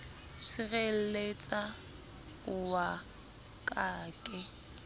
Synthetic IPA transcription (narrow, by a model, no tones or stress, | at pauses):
sɪɣel̩let͡sʼa | ʊwa | kʼaːkʼɪ